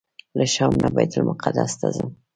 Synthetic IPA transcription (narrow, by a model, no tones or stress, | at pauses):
ləʃɑmnʔabɑjt̪lmʊqad̪ast̪azəm